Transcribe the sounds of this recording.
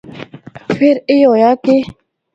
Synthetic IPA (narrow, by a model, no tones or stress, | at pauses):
feɾɪjɔjake